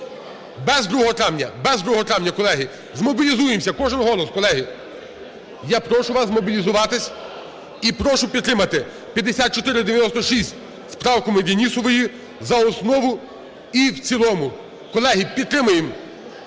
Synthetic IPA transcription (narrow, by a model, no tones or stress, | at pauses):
bɛzd̪ɾuɦɔt̪ɾɑʋnʲɐ̰bɛzd̪ɾuɦɔt̪ɾɑʋnʲːɐkɔlˠɛɦi | zmɔbʲilʲizujemsʲɐkɔʒɪnɦɔlˠɔskɔlˠɛɦi | japɾɔʃʊʋɑsmɔbʲilʲizʊʋɑt̪ɪsʲ | ipɾɔʃʊpʲid̪t̪ːɾɪmɐt̪ɪ | pʲjɐd̪esʲat̪̚t͡ʃɔt̪ɪɾɪd̪eʋʲjɐnɔst̪ɔʃisʲtʲ | spɾɑwkɔmɪd̪ʲenʲisɔʋɔji | zɐɔsnɔʋʊ | iwt͡sʲilˠɔmʊ | kɔlˠɛɦipʲid̪t̪ːɾɪmʊjem